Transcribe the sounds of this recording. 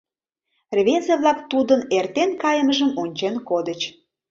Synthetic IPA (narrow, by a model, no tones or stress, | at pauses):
rβezeβlˠɑkt̪ud̪ənert̪enkɑjəməʒəmonʲt͡ɕenkod̪ət͡ɕ